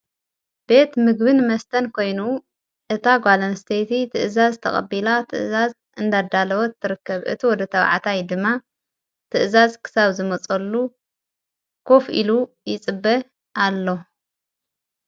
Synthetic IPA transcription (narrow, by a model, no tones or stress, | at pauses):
b̥e̞t̪mɨɡ̚bɨnmɐst̪ʰɐnkʰo̞jnu | ʔɨt̪ʰaɡʷalɐnst̪ʰet̪ʰit̪ʰɨʔɨzazt̪ʰɐ̰χʼɐ̰bilat̪ʰɨ̰ʔɨzaz | ɨnd̪ad̪alɐwɔt̪ʰːɨɾɨkːɐβʔɨ̰t̪ʰiwɔd̪ɐt̪ʰɐβ̰ʕa̰t̪ʰajd̪ɨmːa | t̪ʰɨʔɨzazkʰɨ̥saβzɨmɐt͡sʼɐlːu | kʰo̞fḭlu | jɪt͡sʼɨbːɐ | ʔalːo̞